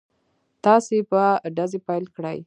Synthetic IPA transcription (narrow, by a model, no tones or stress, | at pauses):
t̪ɑsepəɖazepajlkɽə̰j